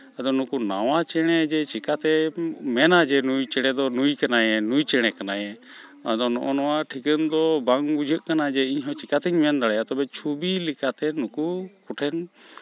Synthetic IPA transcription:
ad̪ɔnukunawat͡ʃɛɽ̃ɛd͡ʒɛt͡ʃikat̪ɛmɛnad͡ʒɛnujt͡ʃɛɽ̃ɛd̪ɔnujkanajɛnujt͡ʃɛɽ̃ɛkanajɛ | ad̪ɔnɔ̰ʔɔnɔwaʔʈʰikənd̪ɔbaŋbud͡ʒʱəʔkanad͡ʒɛiɲɦɔ̃t͡ʃikat̪ɛɲmɛnd̪aɽɛjat̪ɔbɛt͡ʃʰubilikat̪ɛnukukuʈʰɛn

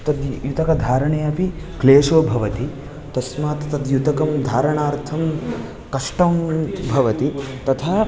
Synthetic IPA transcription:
t̪ɐd̪jut̪ɐkɐd̪ʱaːɾɐɳeːɐpi | kleːʂoːbʱɐʋɐt̪i | t̪ɐsmaːt̪t̪ɐd̪jut̪ɐkɐmd̪ʱaːɾɐɳaːɾt̪ʰɐm | kɐʂʈɐmbʱɐʋɐt̪it̪ɐt̪ʰɐ

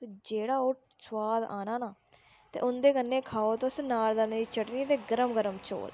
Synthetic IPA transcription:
t̪eːd͡ʒeːɽaːʊʈ | swaːd̪aːnaːnaː | t̪ḛːʔʊnd̪eːkənːẽːkʰaːoːt̪osnaːɾd̪aːnəiːt͡ʃʰəʈniːt̪eːɡəɾəmɡəɾəmt͡ʃʰo̰ːl

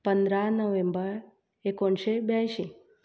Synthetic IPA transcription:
pənd̪ɾanəʋẽmbəɾ | ekɔɳʃebjaʃi

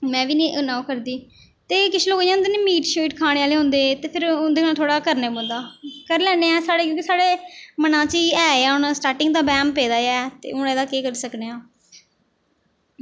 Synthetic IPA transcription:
mɛ̃ːʋiːnĩːʔənaːukəɾd̪iː | t̪eːkɪt͡ʃʰːloːkjãːʊnd̪eːniːmiːʈʃoiʈkʰaːɽ̃eːaːleːɦʊ̃nd̪eːt̪eːpʰɪɾʊnd̪eːnãːt̪ʰoːɽaːkəɾneːbõːnd̪aːkəɾlɛːneːɛ̃ːsaːɽeːkjõːkisaːɽeːmənãːt͡ʃiɛːaːʊnasʈaːɾʈɪ̃ŋɡd̪aːbɛːmpeːd̪aːɛːt̪ḛːʊneːd̪aːkeːkəɾisəkneːãː

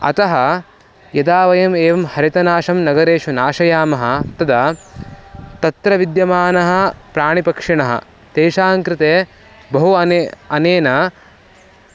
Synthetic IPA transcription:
ɐ̰t̪ɐɦɐ | jɐd̪aːʋɐjɐmeːʋɐmhɐɾit̪ɐnaːʃɐmnɐɡɐɾeːʂunaːʃɐjaːmɐɦɐ̆t̪ɐd̪ɐ | t̪ɐt̪ɾɐʋid̪jɐmaːnɐɦɐ̆pɾaːɳipɐkʂiɳɐɦɐ̰ | t̪eːʃaːŋkɾɪt̪eː | bɐɦuɐnɐneːnɐ

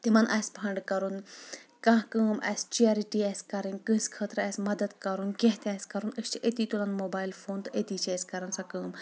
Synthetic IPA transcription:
t̪imɐnʔɐːsʲpʰɐɳɖkɐɾunkãːɦkəːmʔɐ̰ːsʲt͡ʃaːɾiʈiɛːsʲkɐɾĩnkə̃ːsʲkʰəːt̪ɾɐːsʲmɐd̪əd̪kɐɾunkẽɦt̪ʲɐːsʲkɐɾunəst͡ʃʰiʔet̪it̪ulɐnmoːbaːilfoːnt̪ʔet̪iːt͡ʃʰesʲkɐɾɐnsakəːm

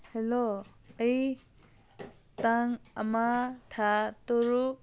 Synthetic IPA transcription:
helo | əj | taŋamat̪ʰat̪oɾu

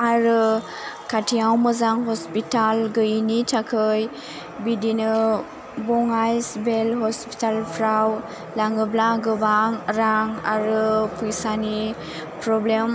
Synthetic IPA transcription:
aɾɯ | katʰijawmɯzaŋɦɔspitalɡɯnitʰakʰɯj | bidinɯ | bɔŋajsbelɦɔspi̥talpʰɾaw | laŋɯblaɡɯbaŋɾaŋa̰ɾɯpʰujsani | pɾɔblem

